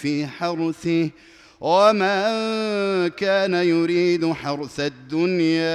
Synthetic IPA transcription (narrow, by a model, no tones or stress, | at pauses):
fiːħɑɾˤθɪh | wamaː | kaːnajʊɾiːd̪ħɑɾˤθad̪ːʊnjaː